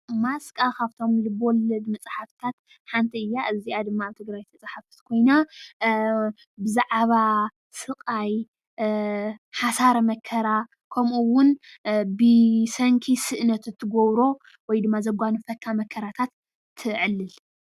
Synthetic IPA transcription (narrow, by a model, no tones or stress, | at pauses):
maskʼakʰaβt̪ʰo̞mlɨbwɔlɐd̪mɐt͡sʼaħaft̪ʰat̪ | ħant̪ʰiɨjːaʔɨziad̪ɨmːaβt̪ʰɨɡɾajt̪ʰɐt͡sʼaħafɨ̥t̪kʰo̞jna | bɨzaʕβa | sɨkʼaj | ħasaɾɐmɐkʰɐɾa | kʰɐmʔuwʊnbɨsɐŋkʰisɨʔnɐt̪ɨt̪ʰːɨɡoβɾo̞ | wɔjd̪ɨmːazɐɡʷanɨfɐkʰːamɐkʰːɐɾat̪ʰat̪ʰː | ɨʕɨlːɨl